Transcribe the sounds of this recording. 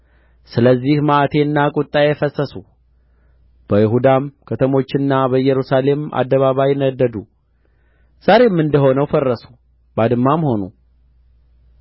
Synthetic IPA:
sɨləzːihmaʔat̪ʰe̞ɨnːakʼʊt̪ʼːaefəsːəsu | b̥əjɪɦud̪amkʰət̪ʰəmo̞t͡ʃːɪnːabəjːɛɾusale̞ma̰d̪ːəβaβajɪnəd̪ːəd̪u | z̥aɾe̞mːɨnd̪əɦo̞nəwfərːəsu̥ | bad̪ɨmːamho̞nu

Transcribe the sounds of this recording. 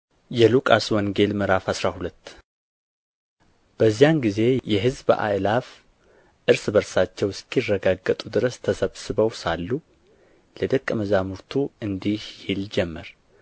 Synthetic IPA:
jɛlukʼaswɔŋɡe̞lmɨɾafhasɾahulət̪ː | b̥əzːijanɡize̞jɛɦɨzbʔa̰jlaf | ʔɨɾsbəɾsat͡ʃːɛwskʰjrːəɡaɡːət̪ʼud̪ɨɾəst̪ʰəsəβsɨbəwsalːu | ləd̪əkʼːməzamuɾt̪ʰuɨnd̪ihhild͡ʒɛmːəɾ

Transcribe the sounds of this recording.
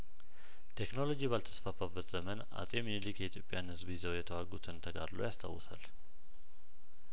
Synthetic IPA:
t̪ʰe̞kno̞lo̞d͡ʒiβalt̪ʰə̥sfafabːət̪z̥əmənʔa̰sʼemjilikjɛit̪ʰjo̞pʼːjanhɨzbizəwjɛt̪ʰəwaɡut̪ʰɨnt̪ʰəɡaɾlo̰jast̪ʰa̰wːsa̰l

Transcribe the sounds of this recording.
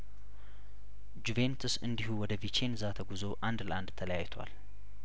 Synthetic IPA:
d͡ʒuve̞nt̪ʰusɨnd̪iɦuwɔd̪əvit͡ʃʰe̞nzat̪ʰəɡuzo̞ʔand̪ləʔand̪t̪ʰələjajt̪ʰwa̰l

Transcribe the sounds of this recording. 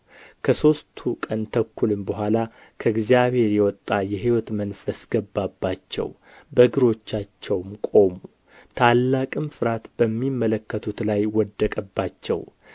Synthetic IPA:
kʰəso̞st̪ʰukʼənt̪ʰəkːulɨmbəɦʷala | kʰəɨɡzjaβhe̞ɾjɛwɔt̪ʼːajɛɦiwɔt̪mənfəsɡ̥əbːabːat͡ʃːɛ̰w | bəɡɨɾo̞t͡ʃːat͡ʃːɛwmkʼo̞mu | t̪ʰalːakʼɨmfɨɾat̪b̥əmːimːələkːət̪ʰut̪lajwɔd̪ːəkʼəbːat͡ʃːɛ̰w

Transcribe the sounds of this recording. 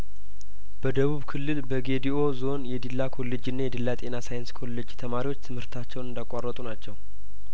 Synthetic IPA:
b̥əd̪əβuβkʰɨlːɨlbəɡe̞d̪iʔo̞zo̞njɛd̪ilːakʰo̞lːe̞d͡ʒɨnːajɛd̪ɨlːat̪ʼe̞nasajɨnskʰo̞lːed͡ʒt̪ʰəmaɾiwo̞t͡ʃːt̪ʰɨmhɨɾt̪ʰat͡ʃːɛwnɨnd̪akʷʼarːət̪ʼunat͡ʃːɛw

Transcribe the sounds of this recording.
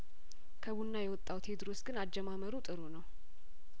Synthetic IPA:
kʰəβunːajɛwɔt̪ʼːawt̪ʰed̪ɾosɡɨnad͡ʒːɛmaməɾut̪ʼɨɾonəw

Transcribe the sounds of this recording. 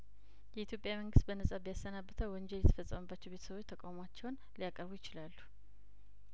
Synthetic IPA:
jɛʔit̪ʰjo̞pʼjaməŋɡɨst̪̚bənəsʼabəjasːənabːət̪ʰəwwənd͡ʒɛljɛt̪ʰə̥fəsʼəməbːat͡ʃːɛwbe̞t̪ʰəsəβo̞t͡ʃːt̪ʰəkʼawmoat͡ʃːɛwn | lijakʼəɾbujɪt͡ʃɪlalːu̥

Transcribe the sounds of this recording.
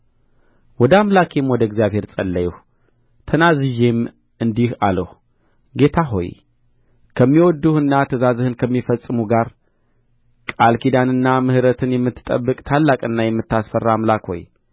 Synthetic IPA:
wɔd̪əamlakʰemwɔd̪əɡzjaβhe̞ɾt͡sʼəlːəjɛh | t̪ʰənazɨʒem | ɨnd̪iha̰ləhu | ɡe̞t̪ʰaɦo̞̰j | kʰəmːiwɔd̪ːuhɨnːat̪ʰəzazɨhɨnkʰəmːifəsʼɨmuɡaɾ | kʼalkʰid̪anɨnːamɨhɨɾət̪ʰɨnjɛmːɨt̪ːɨ̥t̪ʼə̰bːɨkʼt̪ʰalːakʼɨnːajɛmːɨt̪ːasfərːamlakho̞̰j

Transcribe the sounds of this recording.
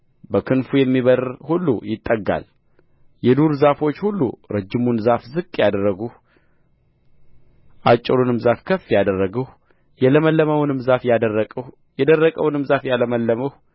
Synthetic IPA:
bəkʰɨnfujɛmːiβəɾhulːṵjɪt̪ʼːəɡa̰l | jɛd̪uɾzafo̞t͡ʃːhulːṵɾəd͡ʒːɪmunzafzɨkʼːjad̪ərːəɡuh | ʔat͡ʃʼːɪɾunɨmzafkʰəfijad̪ərːəɡəh | jɛləməlːəməwnɨmzafjad̪ərəkʼəh | jɛd̪ərːəkʼəwnɨmzafjaləməlːəməh

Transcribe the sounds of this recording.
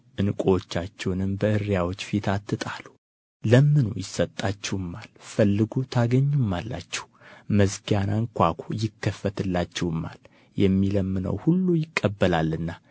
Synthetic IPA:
ʔɨnkʼoot͡ʃːat͡ʃːɛwnɨmbəʔɨɾjawo̞t͡ʃːfit̪ʰat̪ːɨt̪ʼalu | ləmːɨnujɪsət̪ʼːat͡ʃːɛwɨmːalfəlːɨɡut̪ʰaɡəɲːumːalːa̰t͡ʃːɛ̥w | məzkʰijanaŋkʷakʰojɪkːəfːət̪ʰɨlːat͡ʃːɛwɨmːa̰l | jɛmːiləmːɨnə̰whulːujɪkʼːəbːəlalːɨnːa

